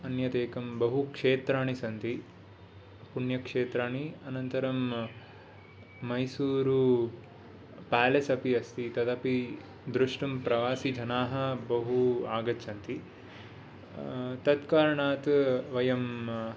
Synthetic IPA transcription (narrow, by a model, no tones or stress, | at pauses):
ɐnjɐt̪eːkɐmbɐɦukʂeːt̪ɾaːɳisɐnt̪i | puɳjɐkʂeːt̪ɾaːɳiɐnɐnt̪ɐɾɐm | ɐjsuːɾu | paːlesɐpiɐst̪it̪ɐt̪ɐpi | d̪ɾuʂʈumpɾɐʋaːsid͡ʒʱɐnaːɦɐ̆bɐɦuaːɡɐtːsɐnt̪i | t̪ɐt̪kaːɾɐɳaːt̪ʋɐjɐm